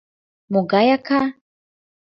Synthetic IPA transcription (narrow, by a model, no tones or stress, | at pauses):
mɔɡajaka